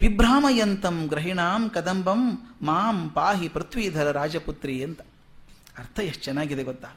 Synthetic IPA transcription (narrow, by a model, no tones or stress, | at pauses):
ʋibɾaːmɐjɐnt̪ɐmɡɾɐɦiɳaːmkɐd̪ɐmbɐmːaːmpaːɦipɾɐt̪ʋiːd̪ʱɐɾɐɾaːd͡ʒɐput̪ɾiɐnt̪ɐ̥ | ɐɾt̪ʰɐjɐt͡ʃɛnaːɡid̪eɡot̪ːaː